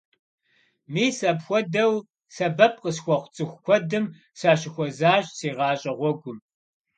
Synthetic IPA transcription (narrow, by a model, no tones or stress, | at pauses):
miːsɐpxʷɔdɐw | sɐbɐp̚qəsxʷɔχʷt͡sʼɨxʷkʷʰɔdɨm | saːɕɪxʷɔzaːɕseːʁɑːɕʼɐʁʷɔɡʷʊm